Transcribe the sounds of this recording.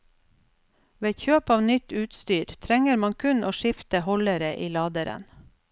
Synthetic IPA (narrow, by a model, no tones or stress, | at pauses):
ʋeːçøːpɑːʋnʏt̪ʉːt̪st̪yːɾt̪ʰɾɛŋəɾmɑŋkʰʉnʔoːʃɪft̪əhɔləɾəʔiːlɑːd̪əɾə̰n